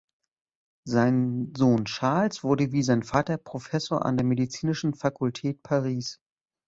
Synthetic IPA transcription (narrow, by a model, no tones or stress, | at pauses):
zaɪnzoːnʃaɐlsv̥ʊɐɾəviːzaɪnfaːtɐpʁ̥ofɛsoːɐʔa̰ndeːɐmedit͡siːnɪʃn̩fakʰʊltʰɛːt̚pʰaʁiːs